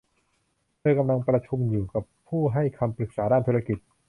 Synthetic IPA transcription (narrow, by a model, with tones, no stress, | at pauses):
pʰɤː˧jka˧mla˧ŋpɾa˧t͡ɕʰu˧mjuː˨˩ka˨˩pʰːuː˥˩ɦa˥˩jkʰa˧mpɾɯ˨˩k̚saː˩˦daː˥˩nt̪ʰuː˧ɾa˧ki˨˩t̪̚